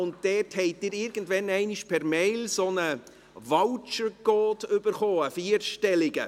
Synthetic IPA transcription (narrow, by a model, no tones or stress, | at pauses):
ʊnt̚d̥ɛthɛɪd̥ɪːɾɪɾɡ̥ən̩dʋɛnɛɪniʃpʰɛɾmɛɪlsonə | vɑlt͡ʃəɡoːtʏbəɾχoːəfiːəɾʃtɛlɪɡə̰